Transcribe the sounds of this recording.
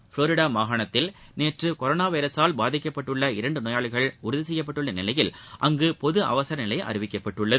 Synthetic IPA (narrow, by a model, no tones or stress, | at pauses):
fɭoːɾɪɽaːmaːɣɐɳɐt̪ːɪlneːʈrɯkɔɾoːnaːʋɐɪɾɐsaːlbaːðɪkːɐpːɐʈːɯɭːɐɪɾɐɳɖɯnoːjaːɭɣɐɭʊɾðɪs̬ɛjːɐpːɐʈːɯɭːɐnɪlɐjɪlʔɐŋɡɯpɔðɯʔɐ̰ʋɐsɐɾɐnɪlɐɪʔɐ̰ɾɪʋɪkːɐpːɐʈːɯɭːɐð